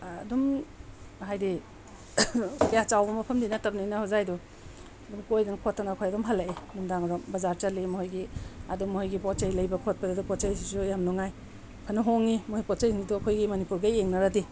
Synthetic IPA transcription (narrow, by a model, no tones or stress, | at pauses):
dum | hajdi | kajat͡ʃawbɐmɐpʰɐmdinatɐb̚nanahozajdɔ | ɐdumkojdankʰotːanaːkʰojɐdɔmɦalaiɐdumdaŋɐdɔmbɐzaɾt͡ʃɐlimɔhojɡiɐdɔmɔhɔjɡipɔtt͡ʃajlɐjbɐkʰot̚padidupɔt͡ʃajsisujamnɔŋaj | pʰanɐɦoŋimɔhijpɔt͡ʃajŋiduɐkʰojɡimɐnipuɾɡajeŋnaɾadi